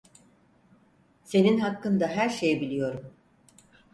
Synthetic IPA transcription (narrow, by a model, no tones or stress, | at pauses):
se̞ninɦakːɯnd̪aɦæɾʃejbilʲijo̞ɾum